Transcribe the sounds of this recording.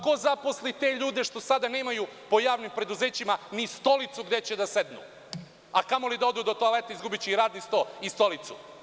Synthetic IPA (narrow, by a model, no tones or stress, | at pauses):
ko̞zapo̞slit̪e̞ːʎuːd̪eʃt̪o̞sad̪ane̞ːmajupo̞jaːʋnimpɾe̞d̪uze̞ːt͡ɕimanist̪o̞lit̪suɡd̪e̞t͡ɕed̪ase̞d̪nṵ | akamolid̪ao̞d̪uːd̪ot̪oale̞t̪aizɡubit͡ɕeiɾaːd̪nist̪o̞ːist̪o̞lit̪su